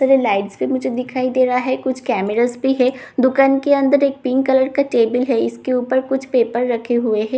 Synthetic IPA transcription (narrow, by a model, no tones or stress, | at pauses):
əɾelaːɪʈspimʊd͡ʒʱed̪ɪkʰaːid̪eːɾɐɦaɦɛkʊt͡ʃʰkɛːmɪɾaːzbiɦɛ | d̪ʊkaːnkeɐ̃nd̪əɾeːk̚pɪ̃ŋkːɐləɽkaʈeːbəlɦɛɪskeuːpəɾkʊt͡ʃʰpeːpəɾːɐkʰeɦueɦɛ̃ː